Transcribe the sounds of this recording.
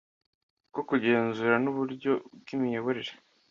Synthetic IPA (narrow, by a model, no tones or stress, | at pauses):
kokuɟe̞ːnzuːɾanuβuɾɟo̞bɡimijo̞βo̞ɾeɾe